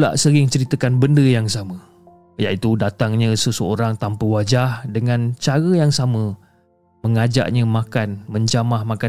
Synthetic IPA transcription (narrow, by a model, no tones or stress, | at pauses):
ula̰ʔsəɣɪŋt͡ʃəɾit̪əkanbəndəjaŋsamə̃ | ja̰ʔit̪udat̪aŋɲə̃səsəoɾaŋt̪ampəwad͡ʒahdəŋãnt͡ʃaɾəjaŋsamə̃ | məŋad͡ʒa̰ʔɲə̃mãkanməɲd͡ʒamahmãka